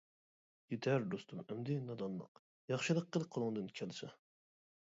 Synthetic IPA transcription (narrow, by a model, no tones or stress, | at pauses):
jet̪ʰɛɾd̪ost̪ʰumɛmd̪ɪnɑd̪ɑnlˠə̰q | jɑχʃɨlˠəq̚ːəlˠɨk̚qʰːolˠɨŋd̪ɨnkʲʰɛlsɛ